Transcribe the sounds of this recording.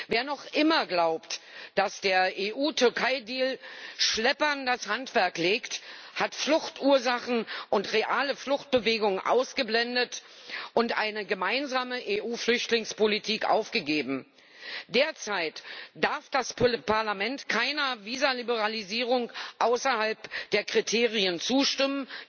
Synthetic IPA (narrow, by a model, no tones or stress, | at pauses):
veːɐnɔχʔɪmɐɡlaʊptd̥asd̥eːɐʔeːʔuːtʰʏɐkʰaɪdiːlʃlɛpɐndashantv̥ɛɐkleːkthatflʊχtʔuːɐzaχn̩ʔʊntʁeʔaːləflʊχt̚b̥əveːɡʊŋʔa̰ʊsɡ̥əblɛndət | ʔʊntʔaɪnəɡəmaɪnzaːməʔeːʔuːflʏçtlɪŋspolitʰiːkʔa̰ʊfɡ̥əɡeːbm̩ | d̥eːɐt͡saɪtd̥aɐfd̥aspʰaɐlamɛntkʰaɪnɐviːzalibəʁaliziːʁʊŋʔaʊsɐhalpd̥eːɐkʁ̥itʰeːʁiənt͡suːʃtɪmən